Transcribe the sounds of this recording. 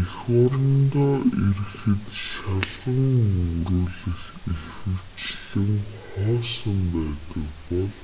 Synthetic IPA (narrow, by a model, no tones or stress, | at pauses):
ixɔɾɞ̆nt̪ɔːir̆xxɘ̆t̪ʃaɮʁə̆ŋuɾuːɮɘ̆x | ixɘ̆w̥t͡ɕɮɘ̆ŋχɔːsə̆mpæːt̪ə̆kpɔɮ